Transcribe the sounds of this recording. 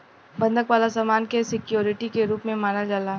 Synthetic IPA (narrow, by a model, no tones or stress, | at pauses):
bɐ̃nd̪ʱəkʋaːlasaːmaːnkesɪkjoːɾɪʈikeɾuːpmẽmaːnad͡ʒalaː